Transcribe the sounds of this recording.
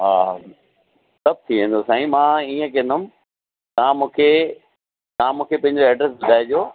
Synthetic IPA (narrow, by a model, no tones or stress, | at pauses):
ɦaː | sɐb̚ʱt̪ʰiʋẽːn̆d̪osaːĩmãːiːə̃k̬ẽnd̪ʊm | t̪ãmũːkʰe | t̪ɐãmũːkʰepɐ̃ɦɪ̃ɲd͡ʑoɛːɖɾɛs̬bʊd̪ʱaːɪd͡ʑoː